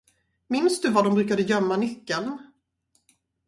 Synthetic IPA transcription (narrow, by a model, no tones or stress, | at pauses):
mɪnsd̪ɵvad̪ɔmbɾʉ̟ːkad̪əjœmːanʏkːəln